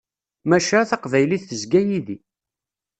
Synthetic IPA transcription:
mæʃæθɑqvæjliθːəzɡæjiði

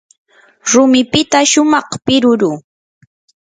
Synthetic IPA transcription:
ɾʊmɪpɪt̪aʃʊmɑχpɪɾʊɾuː

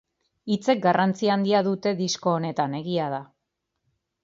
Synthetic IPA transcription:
it͡se̞k̚ɡarant͡siaːnd̪iaðut̪e̞ðisko̞ːne̞t̪ane̞ɣiað̞a

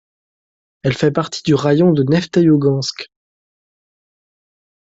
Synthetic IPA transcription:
ɛlfɛpaʁt̪ʰi̥d̪yʁajɔ̃d̪ənɛft̪ajoɡɑ̃sk

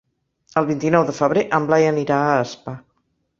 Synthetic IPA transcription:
əlˠβint̪inɔwðəfəβ̞ɾeʔəmblajəniɾaəːspa

